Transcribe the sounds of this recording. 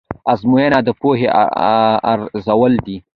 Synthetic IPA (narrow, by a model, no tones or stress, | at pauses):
azmojenad̪əpoɦḛ | a̰ɾzawəld̪i